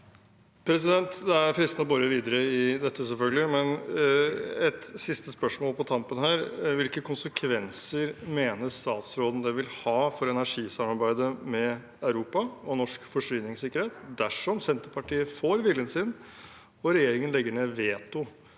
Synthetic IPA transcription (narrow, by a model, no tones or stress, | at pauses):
pʰɾɛs̬ɪd̪ɛnt̪d̪ɛæɾfɾɪst̪nɔbɔɾəʋiːd̪əɾəɪd̪ɛt̪ːəsɛlfœɡlɪəmɛn | ɛt̪sɪst̪əspœʂmoːlpʰɔt̪ʰɑmpənhæːɾʋɪlkəkʰʊnsəkʰʋɛnsəɾmeːnəʂt̪ɑːt̪sɾoːd̪ən̩d̪ɛʋɪlhɑːfɔɾɛnæʂiːsɑmːɑɾbæɪd̪əmɛ | ɑʉɾuːpɑɔnɔʂkfɔʂyːnɪŋsɪkːəɾheːt̪d̪æʂɔmsɛnt̪əɾpʰɑʈiːəfoːɾʋɪlənsɪn | ɔɾɛjeːɾɪŋənlɛɡːəɳeːʋeːt̪ʊ